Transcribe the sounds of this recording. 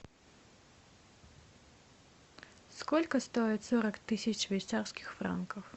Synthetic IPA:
skolʲkəst̪oɪt̪sɔɾəkt̪ɨsʲɪt͡ɕʂvʲejt̪sarskʲɪxfɾa̰nkəf

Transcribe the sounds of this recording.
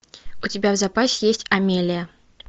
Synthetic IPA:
ʊtʲɪbʲavzɐpasʲɪjesʲtʲɐmʲelʲɪjə

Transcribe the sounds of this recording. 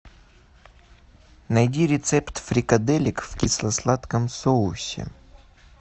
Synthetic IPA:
nɐjdʲiɾʲɪt̪sɛpt̪fɾʲɪkɐd̪ɛlʲɪkfkʲislˠɐslˠat̪kəmsoʊsʲɪ̰

